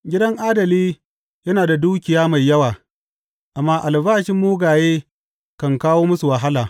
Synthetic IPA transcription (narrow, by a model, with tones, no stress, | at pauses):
ɡʲɪ˦dɐ˦ŋʔaː˦dɐ˨liː˦ | jɐ˦naː˨da˨duː˦kʲɪ˨jaː˦ma˨jːɐ˦waː˨ | ʔa˨mːaː˦ʔa˨lbaː˦ʃɪ˦mːuː˦ɡaː˨jeː˦ | kɐ˨ŋkaː˦woː˦mʊ˦su˨wɐ˨ɦa˦laː˨